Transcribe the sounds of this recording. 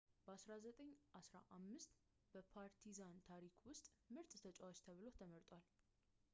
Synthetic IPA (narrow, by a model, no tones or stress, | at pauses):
b̥əasɾazət̪ʼəɲːʔasɾaʔamːɨst̪ʼ | b̥əpʰaɾt̪ʰizant̪ʰaɾikʰwʊst̪ʼmɨɾt̪ʼt̪ʰət͡ʃʼawat͡ʃt̪ʰəβɨlo̞t̪ʰəməɾt̪ʼwal